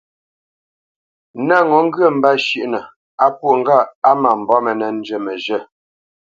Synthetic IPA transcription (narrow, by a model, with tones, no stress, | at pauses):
na˦˨ŋɔ˨˦ŋ̩˦ɡə˦˨m̩˨ba˦ʃi˦˨ʔnə˨ | a˦pwo˨ŋ̩˦ɡa˦˨a˦ma˨m̩˨bɔ˦mə˨nə˨n̩˦d͡ʒə˦˨mə˨ʒə˦˨